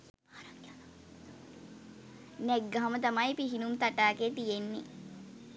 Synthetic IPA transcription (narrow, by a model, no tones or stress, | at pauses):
nɛɡːaɦamət̪amajpiɦinumt̪aʈaːket̪ijenːḭ